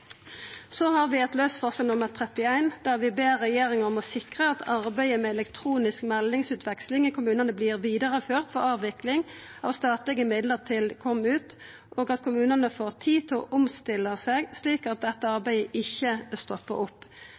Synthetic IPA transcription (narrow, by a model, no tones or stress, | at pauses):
sɔhɑʁʋɪɛt̪løːsfɔʁsɛlnʊməʁt̪ʰʁɛt̪ɪæɪnd̪æʁʋɪbeːʁːɛjeːʁɪŋəʁɔmɔsɪkʁəɑt̪ʰɑʁbæɪəmɛɛlɛkt̪ʰʁuːnɪskmɛlnɪŋsʉːt̪ʰʋɛkslɪŋɪkʰʊmʉːnənəbliːʁʋiːd̪əʁəføːʁt̪fɔʁɑːʋʋɪklɪŋ | ɑ̰ːʋst̪ɑːt̪lɪɡəmɪd̪ləʁt̪ʰɪlkʰɔmːʉːt̪ | ʔoːɡɑt̪kʰʊmʉːnənəfoːʁt̪ʰiːt̪ʰɪɔ̰ʔʊmst̪ɪlːəseːɡsliːkɑt̪̚d̪ɛt̪ːəɑʁbæɪəʔɪçːəst̪ɔpːə̰ʁʊpː